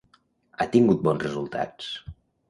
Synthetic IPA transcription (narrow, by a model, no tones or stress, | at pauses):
at̪iŋɡut̪̚bɔnzrəzulˠt̪ʰa̰t͡s